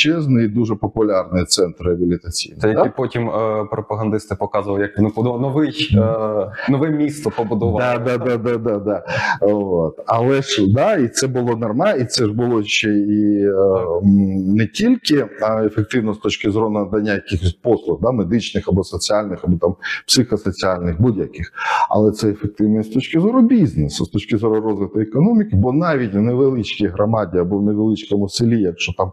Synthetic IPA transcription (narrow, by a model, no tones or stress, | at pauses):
t͡ʃɛznɔid̪uʐɛpɔpʊlʲɑrnɪjt̪sɛnt̪rɪɐbʲɪlʲɪt̪ɐt͡sʲḭjnɛjɐd̪ipotʲimpɾɔpɐɦɐnd̪ɪst̪ɪpɔkɑzʊʋɐlˠjɐknud̪nɔʋɪj | nɔʋɛmʲist̪ɔpɔbʊd̪ɔʋɐd̪ad̪aad̪ad̪ɑd̪ɑ | ot̪ɐlˠɛʂd̪ɑit̪sɛbʊlˠɔnɐrmɑit̪sɛʐbʊlˠɔʃt͡ʃːɛi | nɛtʲilʲkɪefek̚t̪ɪwnɔst̪ɔt͡ʃkɪzɔɾʊnɐd̪ɐnʲːajɐkixɔsʲpɔslˠʊxd̪amed̪ɪt͡ʃnɪxɐbɔsɔt͡sʲialʲnɪxɐbɔt̪ampsɪxɔsɔt͡sʲialʲnɪxbudʲjɐkɪxɐ̰lˠɛt̪sɛefek̚t̪ɪwnɛst̪ɔt͡ʃkɪzɔɾʊbʲiznesʊst̪ɔt͡ʃkɪzɔɾʊɾɔzʋɪt̪ʊekɔnɔmʲɪkɪbɔnɑʋʲitʲnɛʋelˠɪt͡ʃkijɦɾɔmɑdʲiɐbɔneʋelˠɪt͡ʃkɔmʊsɪlʲijɐkt͡ʃɔt̪ɑm